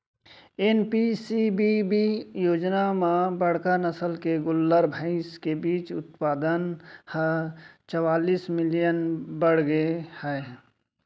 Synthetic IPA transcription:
enpisibibijoːd͡ʒnamãbəɽ̤kanəsəlkeɡʊlːəɾbʱə̃ɪ̃skebiːt͡ʃʊt̪paːd̪ənhət͡ʃəwaːliːsmɪlijənbəɽ̤ɡəehɛe

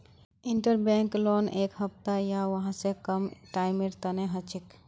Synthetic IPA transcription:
iɳʈəɾbɛ̃ŋklonʔekɦəp̚t̪ajaʋəɦãsẽkəmʈaɪmiɾt̪əneɦət͡ʃʰik

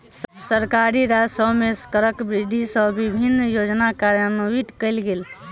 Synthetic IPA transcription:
ssəɾkaɾiɾad͡ʒsəbmeskəɾəkbɾiɖ̪ʱisəbibʱinːjod͡ʒnakaɾjənoit̪kəlɡel

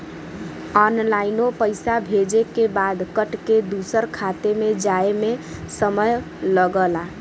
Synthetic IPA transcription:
ɔnlainopəɪsabʱed͡ʒekebad̪kəʈked̪usəɾkʰat̪emed͡ʒaemesəməj | ləɡəla

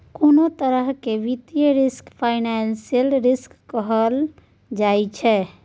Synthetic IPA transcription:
konot̪əɾəɦkeʋit̪ijəɾiskpʰaɪnansijəlɾiskːəɦəl | d͡ʒajt͡ʃʰɛ

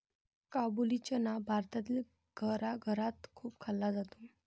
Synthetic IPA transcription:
kabulit͡ɕənabʱaɾt̪at̪iːl | ɡʱəɾaɡʱəɾat̪kʰuːp̚kʰalːad͡zat̪u̥

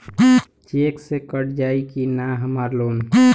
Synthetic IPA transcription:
t͡ʃeksekəɽd͡ʒaikinaɦəmaɾlom

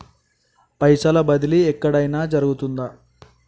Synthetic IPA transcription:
pɐjsalɐbɐd̪iliɛkːɐɽɐjnaːd͡ʒɐɾuɡut̪und̪a

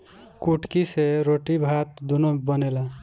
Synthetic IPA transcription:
kuʈkiseɾoʈibʱat̪̚d̪unobʌnela

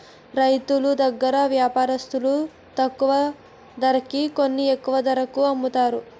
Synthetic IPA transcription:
ɾɐjt̪ulud̪ɐɡːɐɾɐʋjaːpaːɾɐst̪ulu | t̪ɐkːuʋɐ | d̪ɐɾɐkːikonːiekːuʋɐd̪ɐɾɐkuɐmbut̪aːɾu

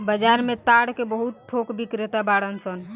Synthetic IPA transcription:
bəd͡ʒaɾmet̪aɽkebəɦut̪̚ʈʰokbikɾet̪abaɽənsən

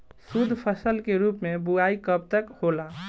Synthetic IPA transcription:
sud̪ʱpʰəsəlkeɾupmebuaikəb̚t̪əkhola

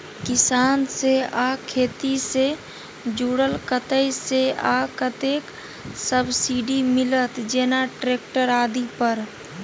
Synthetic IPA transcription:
kɪsaːnseakʰeːt̪ise | d͡ʒuːɽəlkət̪əjseakət̪eːk | səbsiɖimɪlət̪d͡ʒeːnaʈɾeːk̚ʈəɾaːd̪ipəɾ

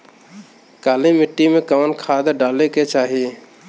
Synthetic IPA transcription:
kalimɪʈːimekawnkʰad̪ɖaːleket͡ʃaːɦi

